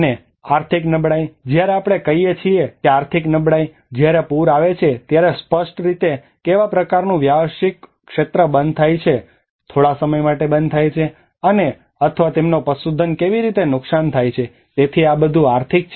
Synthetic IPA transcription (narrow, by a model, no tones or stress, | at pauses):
ne | aɾt̪ʰiknəbɽajd͡ʒjaɾeapɽ̃ekəɦijet͡ʃʰiekeaɾt̪ʰiknəbɽaj | d͡ʒjaɾepuɾaʋet͡ʃʰet̪jaɾespəʃʈɾit̪e | keʋapɾəkaɾnũʋjaʋəʃikː | ʃet̪ɾəbənd̪̚t̪ʰajt͡ʃʰe | t̪ʰoɽasəməjmaʈebənd̪t̪ʰajt͡ʃʰe | əne | ət̪ʰəʋat̪emnopəsud̪ʱənkeʋiɾit̪enʊksant̪ʰajt͡ʃʰe | t̪et̪ʰiabəd̪ʱũaɾt̪ʰik̚t͡ʃʰ